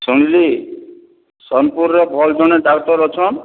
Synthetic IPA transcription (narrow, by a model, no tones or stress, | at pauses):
suñili | sɔmpuɾnɔbʱɔld͡ʒɔñed̪aɡt̪ɔɾɔt͡ʃʰɔn